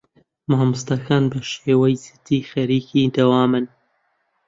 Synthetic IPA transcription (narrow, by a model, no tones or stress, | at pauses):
maːmust̪aːkʰaːnbɐʃeːwɐjzɨt̪iːxɐɾiːkiːd̪ɐwaːmɨn